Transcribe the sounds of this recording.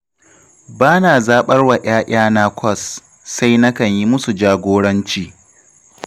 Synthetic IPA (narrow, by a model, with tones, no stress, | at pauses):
baː˦naː˨zaː˦ɓɐ˦rwa˨ʔaː˦ʔaː˦na˦kʷʰɔ˦˨sː | a˦jnɐ˦kɐ˨ɲji˦mʊ˦su˨d͡ʒaː˦ɡʷoː˦ɽɐ˦nt͡ʃiː˨